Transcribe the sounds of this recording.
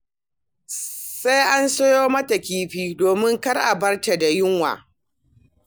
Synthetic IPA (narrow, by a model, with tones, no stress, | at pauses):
sa˦jʔa˦nso˦joː˦mɐ˦ta˨kʲiː˦ɸiː˦doː˨mɪ˦ŋkɐ˦rʔa̰˨bɐ˦rta˨da˨jʊ˦ŋwa̰ː˨